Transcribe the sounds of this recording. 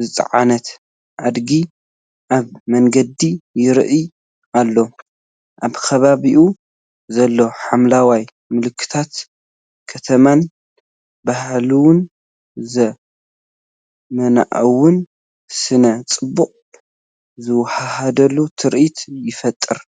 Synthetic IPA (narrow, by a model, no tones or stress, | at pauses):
zɨt͡sʼʕa̰nɐt̪ | ʕad̪ɡi | ʔaβmɐŋɡɐd̪ijɪɾʔɨ | ʔalːo̞ | ʔaβkʰɐβaβiʔu | zɐlːoħamlawaj | mɨlɨkʰːɨ̥t̪ʰat̪ | kʰɐt̪ʰɐman | bahlɨwʊn | zɐ | mɐna̰ʔɐ̰wʊn | sɨnɐt͡sʼɨbːuqʼ | zɨwħahad̪ɐlːut̪ʰɨɾʔit̪jɪfɐt̪ʼːɨɾ